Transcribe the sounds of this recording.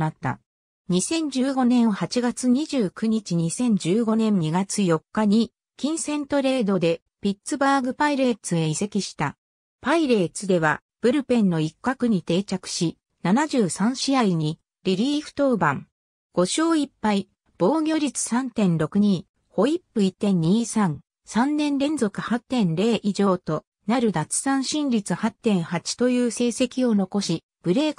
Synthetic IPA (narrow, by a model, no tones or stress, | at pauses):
nat̪ːa̰ | ɲ̟isẽ̞ɲ̟d͡ʑɨːɡo̞nẽ̞ɰ̃hat͡ɕiɡat͡sɨɲ̟iʑɨːkɯ̟ɲ̟it͡ɕiɲ̟isẽ̞ɲ̟d͡ʑɨːɡo̞nẽ̞ɲɲiɡat͡sɨjo̞kːaɲ̟i | kʲĩɰ̃sẽ̞nt̪o̞ɾe̞ːd̪o̞d̪e̞ | pʲit͡sɨbaːɡɯ̟paiɾe̞t͡sɨe̞ise̞kʲiɕi̥t̪a | paiɾe̞ːt͡sɨd̪e̞βa | b̥ɯ̟ɾɯ̟pẽ̞nːo̞ikːakɯ̟ɲ̟it̪e̞ːt͡ɕakɯ̟̥ɕi | nanaʑɨːsãɰ̃ɕiaiɲ̟i | ɾʲiɾʲiːɸɯ̥t̪o̞ːbãŋ | ɡ̥o̞ɕo̞ːipːai | b̥o̞ːɡʲo̞ːɾʲit͡sɨ̥sãnt̪ẽ̞nɾo̞kɯ̟ɲ̟iː | ho̞ipːɯ̟it̪ẽ̞ɲ̟ːiːsãŋ | sãnːẽ̞nɾẽ̞nd͡zo̞kɯ̟hat̪ːẽ̞nɾe̞ːʔiʑo̞ːt̪o̞ | naɾɯ̟d̪at͡sɨ̥sãɰ̃ɕĩnɾʲit͡sɨhat̪ːẽ̞ɰ̃hat͡ɕi̥t̪o̞jɯ̟ːse̞ːse̞kʲio̞no̞ko̞ɕi | b̥ɯ̟ɾe̞ːk